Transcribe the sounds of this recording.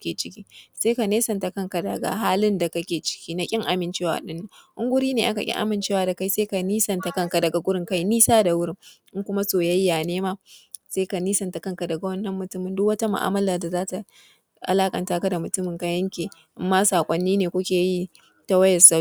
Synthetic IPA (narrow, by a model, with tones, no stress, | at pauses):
kʲeː˨t͡ʃɪ˦kʲiː˦seː˦ka˨neː˦sɐ˨nta˨kɐ˦ŋka˨da˨ɡa̰˨ɦaː˦lɪ˦nda˨ka˦kʲeː˨t͡ʃɪ̥˦kʲiː˦na˦kʲʼɪ˦ŋʔa˨mɪ˨nt͡ʃeː˦wa̰ː˨ɗɪ˦nːa˨ŋʔʊ˦ŋɡʷʊ˦ɾiː˦neː˨ʔa̰˦ka˨kʲʼɪ̰˦ŋʔa̰˦mɪ˨nt͡ʃeː˦waː˨da˨ka˦˨jseː˦ka˨niː˦sɐ˨nta˨kɐ˦ŋka˨dɐ˨ɡa˨ɡʷʊ˦ɾɪ˦ŋka˦jniː˦saː˦da˨wʊ˦ɾɪ˦ŋʔɪ˦ŋkʷʊ˦ma˦soː˨jɐ˦jjaː˨neː˦maː˦seː˦ka˨niː˦sɐ˨nta˨kɐ˦ŋka˨dɐ˨ɡa˨wɐ˦nːɐ˦mːʊ˨tʊ˦mɪ˨ndʊ˦k̚wɐ˦ta˦mʊ̰˨ʔa̰ː˦mɐ˦laː˨da˨zaː˦ta˨ | ʔa̰˨laː˦kʼɐ̰˨ntaː˦ka˦da˨mʊ˨tʊ˦mɪ˨ŋka˦jɐ˦ŋkʲeː˨ʔɪ˦mːaː˦saː˨kʷʼɔ˦nːiː˦neː˨kʷʊ˦kʲeː˨ji˦ | ta˦wɐ˦jɐ˨sa˦